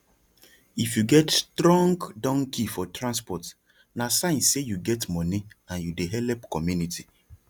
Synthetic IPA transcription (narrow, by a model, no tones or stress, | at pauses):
ifjuɡɛtstɾɔ̃ŋɡdɔ̃ŋkʰifɔtɾãnspɔt | nasãɪ̃nssejuɡɛtmɔniãnjudeɦɛlɛpkɔmjunitʰi